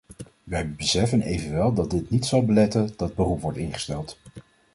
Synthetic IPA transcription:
ʋɛjbəsɛfənejvənʋɛlˠdɑd̚dɪtnitsɑlˠbəlɛtəndɑd̚bərupʋɔɹtɪnχə̥stɛlˠt

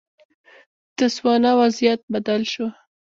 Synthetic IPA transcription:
d̪̥əswɑnawazjat̪̚bad̪alʃo

